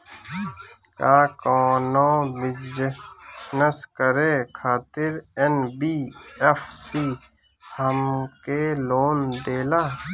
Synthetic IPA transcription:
kaːkɔːnõːbɪd͡ʒ | nɐskəɾeːkʰaːt̪ɪɾenbiːefʰsiː | həmkeːloːnd̪eːlaː

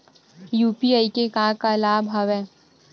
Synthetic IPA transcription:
juːpiaːikekãːkalaːbɦɐʋɛː

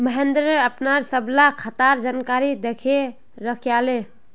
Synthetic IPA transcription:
məɦend̪ɾəpnaɾsəblakʰət̪aɾd͡ʒankaɾid̪ekʰe | ɾəkʰjale

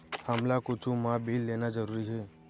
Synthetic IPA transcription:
həmlakʊt͡ʃʰũmãbʱilːeːnad͡ʒəɾuːɾiɦe

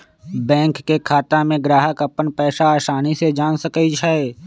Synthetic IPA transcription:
bɛ̃ːŋkːekʰaːt̪amẽɡɾaːɦəkəpənpɛːsaaːʃaːnised͡ʒaːnsəkəit͡ʃʰae

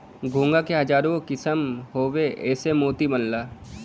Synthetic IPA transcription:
ɡʱũːŋɡakeɦɐd͡ʒaːɾokɪsəmɦoːweʔɛːsemoːt̪ibɐnlaː

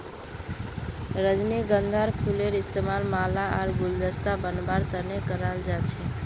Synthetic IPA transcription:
ɾəd͡ʒneɡənd̪ʱaɾpʰuleɾist̪emalmalaʔaɾɡuld̪əst̪abənbaɾt̪ənekəɾald͡ʒat͡ʃʰɛ

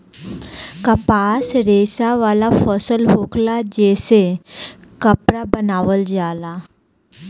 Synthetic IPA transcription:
kapasɾesaʋalafəsəlɦoklad͡ʑese | kəpɾabənaʋəld͡zala

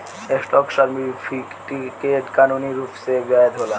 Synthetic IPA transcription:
esʈɔkʃaɾmifʰi | ʈikeʈkanuniɾuːpsed͡ʒaed̪ʱola

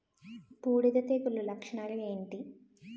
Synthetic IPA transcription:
puːɽid̪ɐt̪eːkulːulɐkʂɐɳaːlɐmeːɳʈi

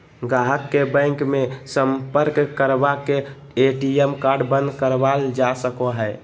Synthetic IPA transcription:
ɡaɦəkːebə̃ŋkmesəmpəɾkːəɾbake | eʈiemkaɾɖbənd̪kəɾbald͡ʒasəkoɦə

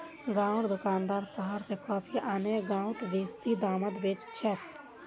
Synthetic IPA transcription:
ɡãːʊɽd̪ʊkaːnd̪aːɾsəɦəɾsekɔːpʰiʔaːneɡãːʊ̃t̪ʋeːsid̪aːmət̪beːt͡ʃʰɛt̪

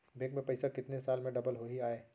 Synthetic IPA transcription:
beːkmẽpɐɪsakɪt̪nesaːlmẽɖɐbəlɦoiaːeː

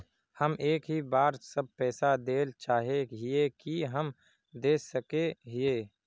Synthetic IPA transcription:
həmeːkɦibaːɾsəb̚pɛːsad̪eːlt͡ʃaːɦeɦiekiɦəm | d̪eːsəkeɦɪeː

